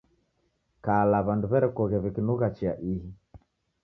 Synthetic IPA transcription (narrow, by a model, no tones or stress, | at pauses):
kalaβanduβɛɾɛkɔɣɛβɛkinuɣat͡ʃiaʔiɦi